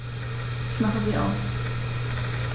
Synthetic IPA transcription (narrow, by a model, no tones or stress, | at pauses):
ʔɪçmaχəziːʔa̰ʊs